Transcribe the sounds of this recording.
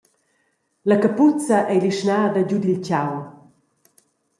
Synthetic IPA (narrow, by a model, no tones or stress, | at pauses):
lakaput͡sɐʔɛjliʃnaːdad͡ʑud̪ilt͡ɕaw